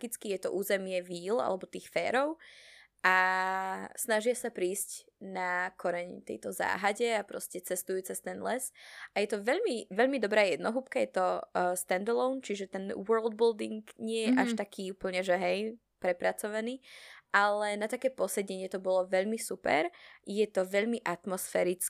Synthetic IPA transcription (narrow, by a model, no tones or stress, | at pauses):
ɡit͡skijɛt̪ɔ̰ʔuːzɛmɪɛʋiːla̰lɛbɔt̪iːxfɛ̰ːɾɔʊ | ʔa | snaʒɪasapɾiːsc | nakʰɔɾɛɲt̪ɛ̰jt̪ɔza̰ːɦaɟɛapɾɔ̰scɛt͡sɛst̪ujuːt͡sɛst̪ɛnd̪lɛsʔajɛt̪ɔʋɛʎmiʋɛʎmid̪ɔbɾaːjɛd̪nɔɦupkajɛt̪ɔst̪ɛnd̪ɛlɔʊnt͡ʃiʒɛt̪ɛnwɜɹld̪̚bild̪iŋkɲɪɛjɛʔaʃt̪akʰiːupl̩ɲɛʒɛɦɛj | pɾɛpɾat͡sɔʋaniːʔalɛnat̪akɛːpɔsɛɟɛɲɪɛt̪ɔbɔlɔʋɛʎmisupɛ̰ɾjɛt̪ɔʋɛʎmiʔat̪mɔsfɛɾit͡s